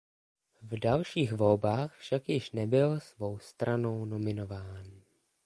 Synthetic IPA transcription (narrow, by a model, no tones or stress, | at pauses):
vdalʃiːxvo̞lbaːxfʃakjɪʃnɛbɪlsvo̞wst̪ɾano̞wno̞mɪno̞vaːn